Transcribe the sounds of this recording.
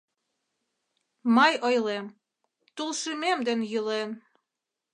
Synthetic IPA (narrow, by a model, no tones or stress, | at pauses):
mɑjojlem | t̪ulʃimemd̪enjylen